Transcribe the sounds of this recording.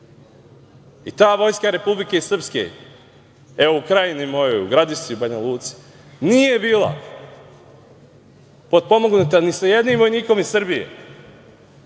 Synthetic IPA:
it̪aːʋo̞jskaɾe̞publike̞sr̩pske̞̰ | eoukɾajinimo̞jouɡɾad̪iʃt̪iubaɲaluːt̪si̥ | nije̞biːlˠa̰ | po̞d̪̚po̞moɡnut̪anisaje̞d̪niːmʋo̞jniːko̞misrbije̞̰

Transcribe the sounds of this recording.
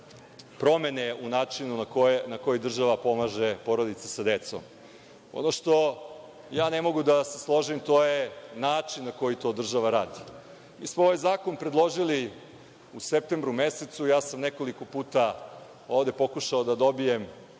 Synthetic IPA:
pɾo̞me̞ne̞unaːt͡ʃinunakonako̞jid̪r̩ʒaʋapo̞maːʒe̞po̞ɾo̞d̪it̪sesad̪e̞t̪so̞̰m | o̰noʃt̪o̞ | jaːne̞mo̞ɡud̪ase̞slˠo̞ʒimt̪o̞ːjenaːt͡ʃinːako̞jit̪o̞ːd̪r̩ʒaʋaɾaːd̪i̥ | mḭːsmooʋajzaːko̞npɾed̪lˠo̞ʒili | usep̚t̪embɾume̞set̪sujaːsamne̞ko̞liko̞puːt̪a | oːʋd̪e̞po̞kuʃaod̪ad̪o̞bije̞m

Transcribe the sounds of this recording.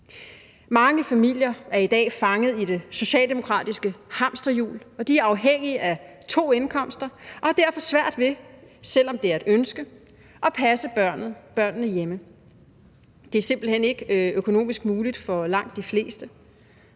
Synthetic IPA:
mɑ̈ŋəfæmil̰jɐæɐid̥ɛ̰ːfɑ̈ŋəð̞̩ˠid̥e̝so̝ɕɛ̰ːld̥e̝mo̝kʰʁɑ̰̈ːd̥isɡ̥əhɑ̈m̰sd̥ɐjṵːlɒ̽d̥iæɐɑ̈ʊɦeŋ̰iəʔæt͡sʰo̝̰ːe̝nkʰɒ̽m̰sd̥ʁɐʔɒ̽hɑ̈d̥æɐfɒ̽sʋæɐ̰d̥ʋe̝sel̰ɒ̽md̥e̝æɐe̝d̥ønsɡ̥ə | ɒ̽pʰæsəb̥nð̩ˠb̥ɶɐ̰nnəjemə | d̥e̝æɐse̝mb̥l̩hene̝ɡ̥økʰo̝no̝̰ːmisɡ̥muːlid̥fɒ̽lɑ̈ŋ̰d̥ːifle̝̰ːsd̥ə

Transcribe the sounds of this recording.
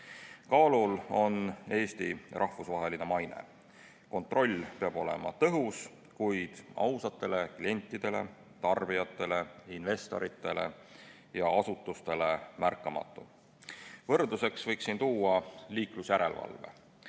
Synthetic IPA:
kɑːlulo̞ne̞ːst̪ḭrʔɑhfusvɑɦe̞line̞mɑjnḛ | ko̞nt̪ˑro̞lʲːpeɑb̥o̞le̞̰mɑ̰t̪ɤɦus | kujd̪̥ɑ̰wsɑt̪ːˑe̞le̞klie̞nʲt̪ˑːid̪̥e̞le̞̰ | t̪ɑrb̥ijɑt̪ˑːe̞le̞inve̞st̪o̞̰ɾit̪ːˑe̞le̞̰ | jɑɑsut̪ːˑust̪e̞le̞mærkːˑɑmɑ̰t̪ːˑu | vɤ̞rd̪̥use̞ksvɤjksint̪uːɑliːklusjæɾe̞̰lvɑ̰lvḛ

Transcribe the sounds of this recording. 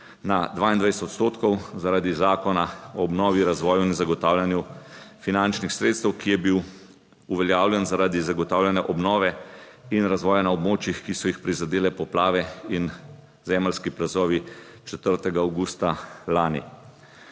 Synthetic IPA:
nad̪ʋaːind̪ʋajsɛt̪ɔt̪st̪oːt̪kɔwzaɾaːd̪izaːkɔnaɔːbnɔːʋiɾazʋɔːjuinzaɡɔt̪aːwlʲjanjufinant͡ʃnixsɾeːt̪st̪ɛwkijɛbiw | uʋɛljaːwljɛnzaɾaːd̪izaɡɔt̪aːwljanɛʔɔbnɔːʋɛinɾazʋɔːjanaɔbmoːt͡ʃjixkisɔjixpɾizad̪eːlɛpɔplaːʋɛin | zɛməlskiplazɔːʋit͡ʃɛt̪əɾt̪ɛɡaawɡuːst̪alaːnḭ

